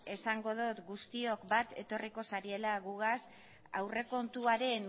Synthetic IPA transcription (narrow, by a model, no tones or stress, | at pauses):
e̞saŋɡo̞ðut̪ɡust̪io̞kbat̪e̞t̪o̞riko̞saɾie̞laɣuɣ̞as | a̰wre̞ko̞nt̪uaɾe̞n